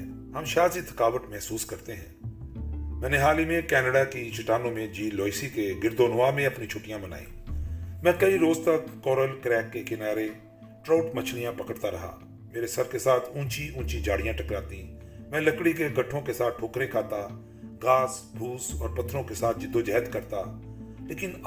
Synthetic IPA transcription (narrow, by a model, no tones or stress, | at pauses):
ɦɐmʃaːzit̪ʰɐ̥kaːʋət̪mɛɦsuːskɐɾt̪eɦɛ̰̃ː | mɛ̃ːneɦaːlimẽkɛːnəɖakit͡ʃɪʈaːnõmẽd͡ʒiːloːisikeɡɪɾd̪oːnʋaːmẽɐpnit͡ʃʰʊʈijãməna̰ːḭ̃ːmɛ̃ːkɐiɾoːzt̪əkːɔːɾəlkɾɛːkːekɪnaːɾe | ʈɾoːʈmət͡ʃʰlijãpɐkəɽt̪aɾɐɦa̰ː | meːɾesɐɾkesaːt̪ʰũːt͡ʃiũːt͡ʃid͡ʒaːɽijãʈɐkɾaːt̪ĩ | mɛ̃ːlɐkɽikeɡɐʈʰːõkesaːt̪̚ʰʈʰoːkɾẽkʰaːt̪a | ɡaːsbʱuːsɔːɾpɐt̪ʰːɾõkesaːt̪̚ʰd͡ʒɪd̪ːod͡ʒɛɦət̪kɐɾt̪aleːkɪn